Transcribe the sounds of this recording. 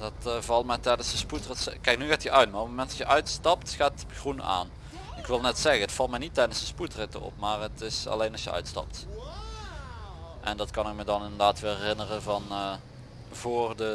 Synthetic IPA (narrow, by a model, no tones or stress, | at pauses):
dɑtvɑlˠtmɛjtɛjdənsdəsputrətsəkɛjknyɣaːtəʔœɥtmaːropmomɛntɑsjəʔœɥtstɑptxaːt | xruna̰ːn | ɪkʋɪlˠnɛtsɛɣənətfɑlˠtmɛjnitːɛjdənsdəsputrɪtə̰ɔ̰pmaːrətɪsɑ̰lejnɑsjəœ̰ɥtstɑ̰p̚t | ʔɛndɑtkɑnɪk̚mədɑnɪndərdaːtʋɪːlɛrɪnərənvɑn | vʊːrdə